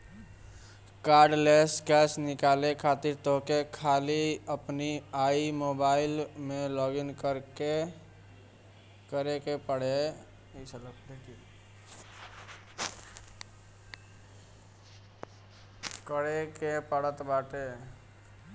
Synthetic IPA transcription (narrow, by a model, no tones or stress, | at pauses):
kaɾɖleskɛsnɪkalekʰat̪iɾt̪okekʰaliəpniaimobaɪlmelɔɡinkəɾke | kəɾekepəɽ̤e | sʰələkeʈi | kəɽekepəɽət̪baʈe